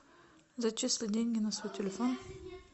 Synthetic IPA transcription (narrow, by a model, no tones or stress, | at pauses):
zɐt͡ʃeslʲˠɪdʲenʲɡʲɪnasvojtʲelʲefon